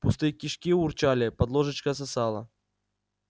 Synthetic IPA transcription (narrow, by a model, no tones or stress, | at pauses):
pʊst̪ɨjkʲiʂkʲiʊrt͡ɕalʲɪpɐd̪lˠoʐɨt͡ɕkəs̬ɐsɑlˠə̰